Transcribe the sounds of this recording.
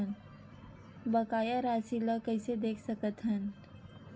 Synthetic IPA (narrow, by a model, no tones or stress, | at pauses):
ən | bəkaːjaɾaːsiləkəɪsed̪eːkʰsəkət̪ɦən